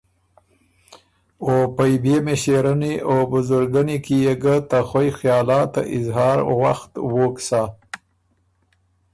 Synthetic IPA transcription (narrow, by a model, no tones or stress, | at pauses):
opajbemeʃeɾaniʔobʊzʊɾɡanikijeɡət̪axojxjɑːlɑt̪a̰ʔɪzɦɑːɾwaxt̪woksa